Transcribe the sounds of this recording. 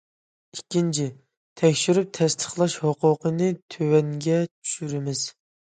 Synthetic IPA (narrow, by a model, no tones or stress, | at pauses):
ikʲːint͡ʃʰi | t̪ʰɛkʲʃyɾyp̚t̪ʰɛst̪ʰə̥χlˠɑʃhoqʊqənɨt̪ʰøwɛŋɡʲɛt͡ʃʰy̥ʃyɾɪmɪz̥